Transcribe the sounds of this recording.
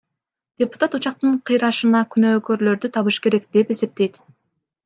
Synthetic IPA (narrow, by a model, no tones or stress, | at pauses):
d̪̥ʲepu̥t̪at̪ut͡ʃɑq̚t̪ɯɴqʰɯjɾɑʃɯnɑkʲʰynøːkøɾlø̞ɾd̪yt̪ʰɑβɯʃke̞ɾe̞kd̪̥e̞pe̞se̞p̚t̪e̞jt̪